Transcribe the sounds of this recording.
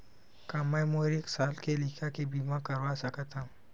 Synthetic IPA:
kamɐ̃moɾeːksaːlkelikʰakebiːmãkɐɾʋasɐkət̪ã

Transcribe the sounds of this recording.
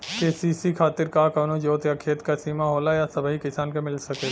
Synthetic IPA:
keːsiːsikʰaːt̪ɪɾkakənod͡ʒoːt̪jakʰeːt̪kasiːmaɦoːlajasɐbʱɦikɪsaːnkemɪlsɐke

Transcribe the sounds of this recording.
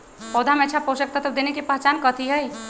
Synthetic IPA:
pɔːd̪ʱamɛ̃ətːʃʰapoːʃək̚t̪at̪ɐb̚d̪eːnekepaːt͡ʃaːnkət̪ʰiɦɛj

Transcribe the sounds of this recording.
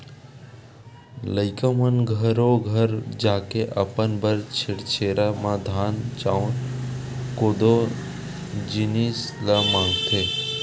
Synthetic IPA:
ləɪkəmənɡʱəɾoɡʱəɾd͡ʒaːkeʔəpənbəɾt͡ʃʰɪɽt͡ʃʰeːɾamãd̪ʱaːnt͡ʃaːon | koːd̪o | d͡ʒinislamãːŋɡt̪ʰeː

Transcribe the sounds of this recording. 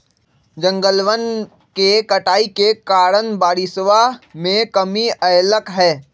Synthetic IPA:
d͡ʒə̃ŋɡəlʋən | kekəʈaːikekaːɾənbaːɾɪsʋamẽkəmiəjləkɦɛː

